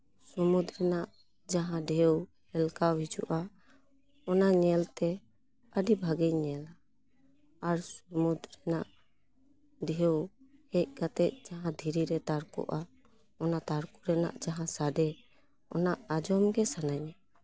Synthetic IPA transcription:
sumud̪ɾɛnaʔ | d͡ʒaɦãɖɛjɔwhɛlkawid͡ʒṵʔa | ɔnaɲɛlt̪ɛ | aɖibʱaɡɛjɲɛla | aɾsumud̪ɾɛnaʔ | dɛɦɔwhɛc̚kat̪ɛc̚ˀd͡ʒaɦãd̪ʱiɾiɾɛt̪aɾkɔ̰ʔa | ɔnat̪aɾkuɾɛna̰ʔd͡ʒaɦãsaɖɛ | ɔ̰naʔad͡ʒɔmɡɛsanaɲa

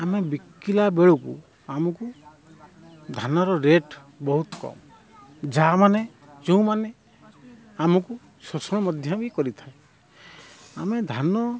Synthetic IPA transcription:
amebikːilabeɭukṵ | amɔku | d̪ʱanɔɾɔɾeʈ | bɔɦut̪kɔ̰m | d͡ʒamane | d͡ʒeũmane | amɔku | sosɔɽ̃ɔmɔd̪ʱjɔbikɔɾit̪ʰae | amed̪ʱanɔ

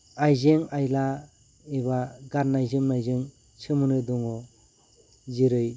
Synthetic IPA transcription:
ajzɯŋajla | ebaɡaɾnajzɯmnajzɯŋ | t͡ʃʰɯmɯnɯdɔŋɔ | ziɾɯj

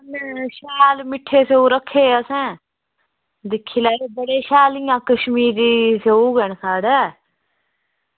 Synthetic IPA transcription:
ənʃaːlmɪʈʰːeːseuːɾəkʰːeːəsɛ̃ː | d̪ɪkʰːiːlaːɾebəɽeːʃaːlɪjãːkəʃmiːɾiːseuːɡəɳsaːɽaː

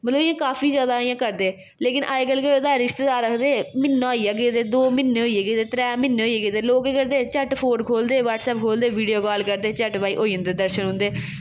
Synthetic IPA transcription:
mət̪ləbɪjãːkaːfʰiːzjaːd̪aːɪjãːkəɾd̪eː | leːkɪnʔaːekəlked̪aːɾɪʃt̪eːd̪aːɾəkʰd̪eːmɪnːãːiːaːɡeːt̪eːd̪oːmɪnːeːɦoːieːɡeːt̪eːt̪ɾɛːmɪnːeɦoːieːɡeːt̪eːloːkeːkəɾd̪eːt͡ʃɛʈpʰoːɖkʰoːld̪eːʋaːʈsɛːp̚kʰoːld̪eːʋiːɖijoːkaːlkəɾd̪eːt͡ʃɛːʈʋaːḭːʔoːiːə̃nd̪eːd̪əɾʃənɦʊ̃nd̪eː

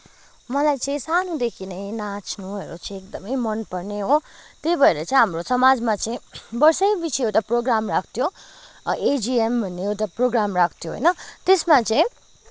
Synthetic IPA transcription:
mʌlajt͡sʌĩsanud̪ekʰinʌjnat͡sʰnuɦʌɾot͡sʌĩek̚d̪ʌmʌjmʌnpʌrneɦot̪ebʱʌeɾʌt͡saĩɦamrosʌmad͡zmat͡saĩbʌrsʌ̃jbisʰiot̪ʌproɡramrakʰt̪ʰjo | ed͡ziembʱʌnːeot̪ʌproɡramrakʰt̪ʰjoɦʌ̰jnʌt̪esmat͡sʌĩ

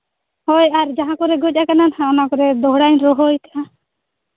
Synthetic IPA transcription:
hɔjaɾd͡ʒaɦãkɔɾɛɡɔt͡ʃ̚ʔakananhãɔnakɔɾɛd̪ɔɦɽajɲɾɔɦɔjk̪aʔã

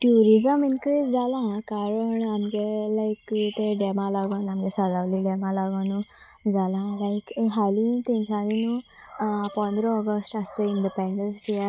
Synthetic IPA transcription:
ʈjuɾizəminkɾid͡zd͡zalãkaɾəɳamɡelajkt̪eɖemalaɡənamɡesad͡zaʋliɖemalaɡanu | d͡zalãlajkɦalit̪ẽɲsãninu | pɔ̃nd̪ʱɾəɔɡəsʈast͡ɕeiɳɖipẽɳɖənsʈija

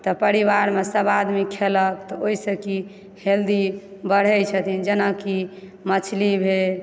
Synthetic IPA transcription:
t̪ɔpəɾiʋaɾmesəbad̪mikʰeləkt̪ɔoisəki | held̪ibəɽ̤ɛt͡ʃʰət̪ʰind͡ʒənaki | mət͡ʃʰlibʱe

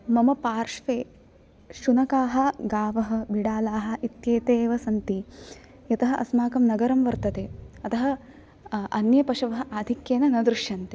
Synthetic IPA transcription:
mɐmɐpaːɾʃʋeː | ʃunɐkaːɦɐ̆ɡaːʋɐɦɐ̆biɽaːlaːɦɐ̆it̪jeːt̪eːʋɐsɐnt̪i | jɐt̪ɐɦɐʔɐ̰smaːkɐmnɐɡɐɾɐmʋɐɾt̪ɐt̪eːɐt̪ɐɦɐ̆ | ʔɐnjɐpɐʃɐʋɐɦɐ̆ʔaːd̪ʱikjeːnɐnɐd̪ɾuʃjɐnt̪e

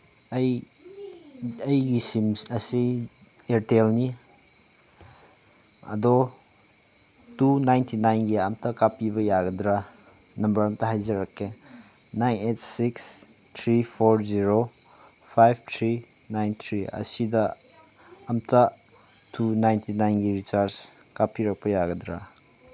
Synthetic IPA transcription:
ɐj | ɐjɡisimɐsi | eɾtelni | ɐ̰dɔ | tunajntʰinajnɡiamtʰɐkapibɐjaɡɐdɾa | nɐmbɐɾɐmtɐɦajzɐɾɐkːe | najnet̚siks | tʰɾipʰoɾziɾo | pʰajb̚ʰtʰɾi | najnt̪ʰɾiɐ̰sidɐː | mtɐ | tʰunajntʰinajnɡiɾit͡ʃaɾs | kapiɾɐk̚pɐjaɡɐdɾa̰

